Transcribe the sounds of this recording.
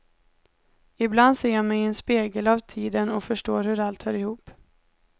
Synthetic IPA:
ɪbland̪seːjamɛjɛnspeːɡəlavt̪ʰiːd̪ənɔfœʂʈoːɾhɵɾalt̪hœːɾɪhuːp

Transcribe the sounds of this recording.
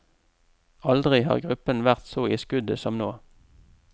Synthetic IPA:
ɑld̪ʁɪɦɑ̰ːʁɡʁʉpənʋæʁt̪soːiːskʉd̪əsɔmnoː

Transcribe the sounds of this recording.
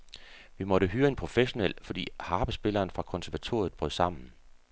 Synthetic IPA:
ʋimɒ̽ɾəɦyːɐe̝npʰʁo̝feɕo̝nel̰fɒ̽d̥ḭːhɑ̈ːb̥əsb̥e̝lɐːnfʁɑ̈kʰɒ̽nsæɐʋæt͡sʰo̝̰ɐð̩ˠb̥ʁœð̰ˠsɑ̈m̰n̩

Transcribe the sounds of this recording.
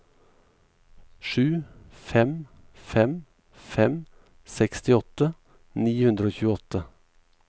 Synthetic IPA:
ʃʉːfɛm | fɛm | fɛm | sɛkst̪ɪɔt̪ə | niːhʉnd̪ɾəoːçʉːəɔt̪ə

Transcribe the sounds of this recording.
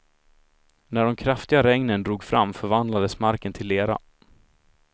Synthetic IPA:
næɖɔmkʰɾaft̪ɪɡaɾɛŋnənd̪ɾuːɡfɾamːfœɾvand̪lad̪əsmaɾkənt̪ʰɪlːeːɾa̰

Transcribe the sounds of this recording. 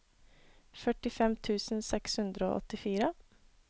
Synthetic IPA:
fœʈɪfɛmt̪ʰʉːsn̩sɛkshʉnd̪ɾəo̰ːʔɔ̰t̪ɪfiːɾə

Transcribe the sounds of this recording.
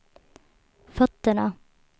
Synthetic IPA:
fœt̪əɳə

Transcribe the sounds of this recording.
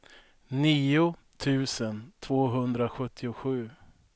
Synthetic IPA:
niːʊ | t̪ʰʉ̟ːsənt̪ʰv̥oːɦɵnd̪ɾaɧɵt̪ʰːɪʊɧʉ̟ː

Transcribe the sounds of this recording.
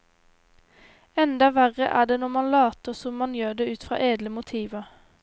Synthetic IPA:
ɛnd̪ɑʋæʁə̰ʔæ̰ːd̪eːnɔmɑnlɑːt̪əʁsɔmmːɑnjøːd̪eːʉːt̪fʁɑ̰ːʔeːd̪ləmʊt̪ʰiːʋə

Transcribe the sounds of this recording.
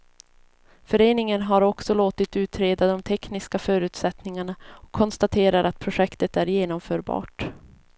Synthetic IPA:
fœɾeːnɪŋənɦaɾɔksɔloːt̪ɪt̪ʉ̟ːt̪ʰɾeːd̪ad̪ɔmt̪ʰɛknɪskafœːɾʉ̟ːt̪sɛt̪nɪŋaɳaɔkʰːɔnst̪at̪ʰeːɾaɾʔat̪̚pʰɾʊʂɛkt̪ət̪æɾjeːnɔmfœːɾbɑ̰ːʈ

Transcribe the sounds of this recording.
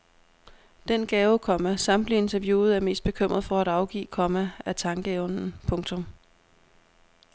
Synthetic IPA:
d̥enɡ̥ɛːʊkʰɒ̽mæsɑ̈md̥lie̝nt͡sʰæɐʋjuːð̞̩ˠæɐme̝̰ːsd̥̚b̥e̝kʰøm̰ʁɐð̩ˠfɒ̽æɾ̥ɑ̈ʊɡ̥ḭːkʰɒ̽mææt͡sʰɑ̈ŋɡ̥əɔnn̩pʰɔ̽ŋt͡sʰɔ̽m

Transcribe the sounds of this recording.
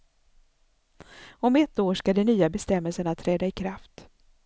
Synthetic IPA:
ɔmɛt̪ːoːʂkad̪ɛnyːabɛst̪ɛmːɛlsəɳat̪ʰɾɛːd̪aɪkʰɾaft̪

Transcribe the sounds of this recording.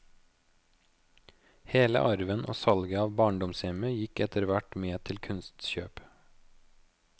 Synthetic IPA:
heːlə̰ʔɑɾʋənʔo̰ːsɑlɡəɑːʋbɑːɳɖɔmsjɛməjɪkɛt̪əɾʋæʈmeːt̪ʰɪlkʰʉnst̪ʃøːp

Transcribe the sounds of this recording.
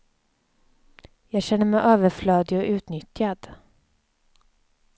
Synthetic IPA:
jɑːɡɕɛnːəɾmɛjʔøːvəɾflœːd̪ɪɔʔʉ̟ːt̪nʏt̪jad̪̥

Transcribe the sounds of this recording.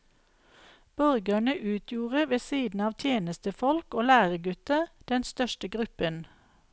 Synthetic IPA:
b̥ɔʁɡəɳəʔʉːt̪ʰjuːʁəʋesiːd̪n̩ɑːʋt̪ʰjeːnəst̪əfɔlkoːlæːʁəɡʉt̪əd̪̥ɛnst̪œʃtəɡʁʉpən

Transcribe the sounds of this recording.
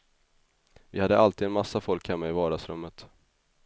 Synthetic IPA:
vɪhad̪ːəʔalt̪iːd̪ɛnmasːafɔlkhɛmːaɪvɑːɖasɾɵmːət̪

